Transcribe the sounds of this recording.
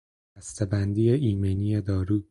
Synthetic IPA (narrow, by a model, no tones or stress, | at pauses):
æst̪ʰebænd̪iːeʔiːmenije̞d̪ɒːɾuː